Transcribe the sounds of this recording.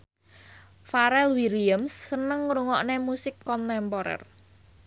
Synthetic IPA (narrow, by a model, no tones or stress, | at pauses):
faɾɛlwiliəmsːənəŋːɾuŋɔʔnemusɪkːɔnt̪ɛmpɔɾɛ̰r